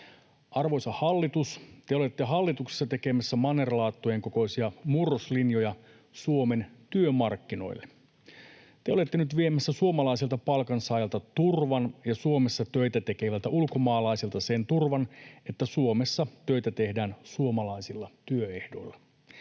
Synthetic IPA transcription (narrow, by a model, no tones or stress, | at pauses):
ʔɑrʋo̞jsɑhɑlːit̪ust̪eo̞le̞t̪ːeɦɑlːit̪ukse̥sːɑt̪e̞ke̞mæsːæmɑnerlɑːt̪ːojeŋko̞ko̞isiɑmurːoslinjo̞jɑ | suo̞me̞nt̪yømɑrkːino̞̰ilːe | t̪eo̞le̞t̪ːenyt̪ʋie̞mæsːæsuomɑlɑiselt̪ɑpɑlkɑnsɑːjɑlt̪ɑt̪urʋɑnjɑsuo̞mesːɑt̪øjt̪æt̪e̞ke̞ʋælt̪æʔulko̞mɑːlɑiselt̪ɑse̞nt̪urʋɑne̞t̪ːæsuomesːɑt̪ø̞jt̪æt̪e̞hdæːnsuomɑlɑisilːɑt̪yøe̞hdo̞̰ilːɑ